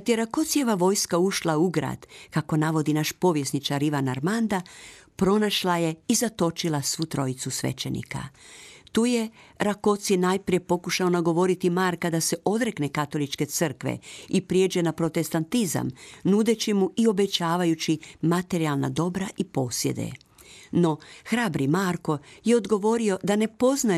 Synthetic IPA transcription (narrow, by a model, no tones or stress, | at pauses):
at̪jeɾako̞t̪sje̞ʋaʋo̞jskauʃlauɡɾa̰ːd̪̥kako̞naʋo̞d̪inaʃpo̞ʋje̞snit͡ʃaɾiʋanaɾmand̪apɾo̞naʃlaje̞izat̪o̞t͡ʃilasʋuːt̪ɾo̞jit̪susʋḛt͡ʃe̞̰nḭka̰t̪uːje̞ɾako̞t̪sje̞naːjpɾije̞po̞kuʃao̞naɡo̞ʋo̞ɾit̪imaːɾkad̪ase̞ʔo̞d̪ɾeknekat̪o̞lit͡ʃke̞t̪sɨr̩kʋḛipɾijed͡ʑe̞napɾo̞t̪e̞st̪ant̪iza̰mnud̪et͡ɕimuʔio̞be̞t͡ɕaːʋajut͡ɕimat̪e̞ɾialˠna̰d̪o̞bɾaʔipo̞ːsje̞̰d̪ḛ | no̞xɾaːbɾimaːɾko̞je̞o̞d̪ɡo̞ʋo̞ɾio̞d̪ane̞po̞zna